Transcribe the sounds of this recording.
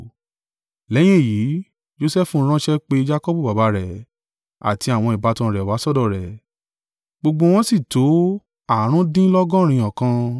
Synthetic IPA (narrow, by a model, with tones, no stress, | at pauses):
lɛ˨˦j̃ẽ˦˨jiː˨˦ | d͡ʒo˦sɛ˦fũ˧˦ɾ̃ã˦ʃɛ˦k͡pe˧d͡ʒa˦kɔ˦bu˦˨ba˨ba˧˦ɾɛ˨ | a̰˨tʰi˧a˦˨w̃ɔ̃˧i˨ba˨˧tɔ̃˧ɾɛ˨wa˨˦sɔ˦˨dɔ˦˨ɾɛ˨ | ɡ͡bo˧ɡ͡bo˧w̃ɔ̃˦si˦˨to˨˦ | a˦˨˦ɾ̃ũ˦dĩ˦lɔ˦ɡɔ̃˦˨ɾ̃ĩ˧ɔ̃˨kã˧